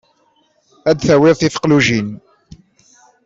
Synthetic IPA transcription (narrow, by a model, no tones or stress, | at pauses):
æd̪θæwɪðθifə̥qluʒin